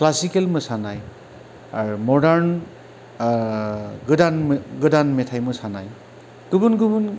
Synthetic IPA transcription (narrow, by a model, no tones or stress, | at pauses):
klasikelmɯsanaj | aɾumɔdaɾn | ɡɯdanɡɯdanmetʰajmɯsana̰j | ɡ̥ɯbunɡubun